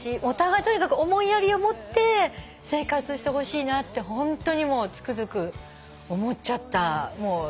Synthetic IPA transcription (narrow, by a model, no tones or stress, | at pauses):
iot̪aɡait̪o̞ɲ̟ikakɯ̟omõ̞ijaɾʲio̞mo̞t̪ːe̞ | se̞ːkat͡sɨɕi̥t̪e̞ho̞ɕiːnat̪ːe̞ɦõ̞nt̪o̞ɲ̟imo̞ːt͡sɨ̥kɯ̟zɨkɯ̟ | omo̞t͡ɕat̪ːamo̞ː